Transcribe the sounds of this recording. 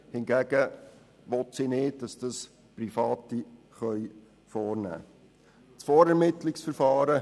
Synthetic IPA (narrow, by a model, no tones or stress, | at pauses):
hɪnɡæɡ̥ə | ʋɔtsinɪːt̚d̥ɑsd̥ɑs | prifɑːti | χœj | fɔːɾnæ̰ː | t͡sfɔːɾɛɾmɪtlɪksfəɾfɑːɾə